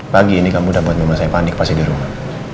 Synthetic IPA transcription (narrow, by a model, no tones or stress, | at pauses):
paɡiːnikamudahbuat̪̚məmasajpanɪk̚pasidiɾuma